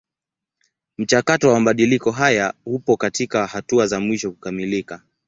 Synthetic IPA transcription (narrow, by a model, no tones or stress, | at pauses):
m̩t͡ʃakatɔwamaɓaɗilikɔɦajahupɔkatikahatuazamwiʃɔku̥kamilika